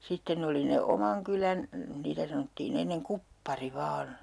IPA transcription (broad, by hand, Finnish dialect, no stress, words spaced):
sitːen oli ne omɑŋ kylæn niːtæ sɑnotːiːn enːeŋ kupːɑri ʋɑːn